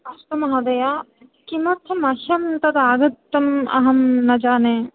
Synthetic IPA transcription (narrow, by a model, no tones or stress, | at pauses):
ɐst̪ɐmɐɦɐd̪ɐjaː | kimɐt̪ʰɐmɐʃɐmt̪ɐd̪aːɡɐt̪ːɐmɐ̰ɦɐmnɐd͡ʒaːne